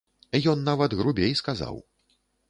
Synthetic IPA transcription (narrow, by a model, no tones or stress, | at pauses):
jɔnːavɐd̪ɣɾubʲejskaza̰w